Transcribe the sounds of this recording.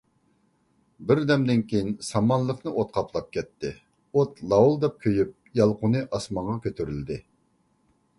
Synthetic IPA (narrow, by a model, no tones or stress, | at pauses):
bɪɾd̪ɛmd̪ɪnkʲʰejinsɑmɑnlˠəqnɨʔot̪̚qʰɑpʰlˠɑp̚kʲɛt̪ʰːɪ | ot̪lˠɑwulˠd̪ɛp̚kʲʰøjyp̚jɑlˠqʊnɨʔɑsmɑɴʁɑkʲʰøt̪ʰyɾyld̪ɪ